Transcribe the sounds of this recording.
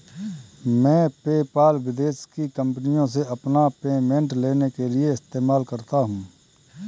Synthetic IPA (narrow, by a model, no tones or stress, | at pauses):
mɛ̃ːpeːpaːlʋɪd̪eːʃkikɐ̃mpnijõs̬eɐpnapeːmẽɳʈleːnekelieɪst̪eːmaːlkɐɾt̪aɦũː